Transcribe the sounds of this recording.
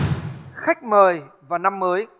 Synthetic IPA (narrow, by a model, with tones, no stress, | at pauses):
xa˦˥k̟̚məː˨˩jvaː˨˩na˧mːəː˨˦j